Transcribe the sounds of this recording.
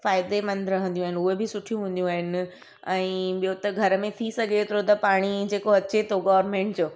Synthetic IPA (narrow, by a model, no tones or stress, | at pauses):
faːɪd̪emɐ̃nd̪ɾɐɦə̃nd̪ijũaːɦɪnʊɦebɪsʊʈʰijũɦũːnd̪jũaːɦɪnɪ̆ | ɛ̃ːɓijot̪ɐɡʱɐɾəmẽt̪ʰisɐɡʱet̪ɾot̪̬ɐpaːɽ̃id͡ʑeːkoɐt͡ɕet̪ʰoɡɔːʋɾmẽːɳʈ̚d͡ʑoː